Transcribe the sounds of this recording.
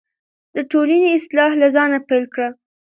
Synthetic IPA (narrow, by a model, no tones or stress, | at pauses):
d̪əʈolaniɪslɑhlazɑnapajlkɽa